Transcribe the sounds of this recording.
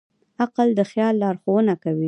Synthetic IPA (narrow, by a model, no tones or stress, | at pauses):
aqəld̪əxjɑlːɑɾxowənakawi